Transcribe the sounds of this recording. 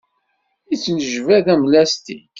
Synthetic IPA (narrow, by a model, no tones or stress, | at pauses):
it͡sːnəʒvæðæmlæst̪ḭ